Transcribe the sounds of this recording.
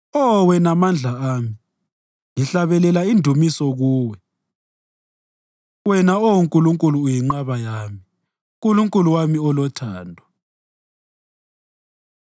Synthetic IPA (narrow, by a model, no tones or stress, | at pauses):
ɔwɛnamand͡ɮʱaaːmi | ŋiɬaβɛlɛlaindʱumisɔɣuːwɛ | wɛnaowuŋkʼuluŋkʼuluːjiŋ͡ǃaβajaːmi | kʼuluŋkʼuluwamiɔlɔtʰaːndʱa